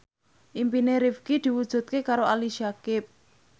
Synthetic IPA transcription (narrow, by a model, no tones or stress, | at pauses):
ʔimpineɾifkid̪̥i̤wud̥ʒ̥ṳt̪̚kekaɾoʔaliʃiakɪp̚